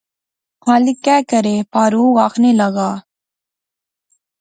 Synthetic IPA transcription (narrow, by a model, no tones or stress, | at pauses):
maːlikːɛːkəɾeːpaːɾuːʋaːxnelɐɣaː